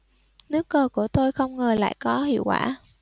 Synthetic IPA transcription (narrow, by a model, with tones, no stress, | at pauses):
nɨ˦˥əkːəː˧˩ku˧˩ət̪o˧jxə˧wŋ͡mŋəː˨˩la̰ː˧˨jkɔ˨˦ɦḭ˧˨əwkwa̰ː˧˩